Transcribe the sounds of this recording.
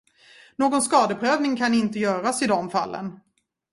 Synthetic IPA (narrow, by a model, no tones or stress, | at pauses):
noːɡɔnskɑːd̪əpʰɾøːvnɪŋkʰanɪnt̪əjœːɾasɪd̪ɔmfa̰lːə̰n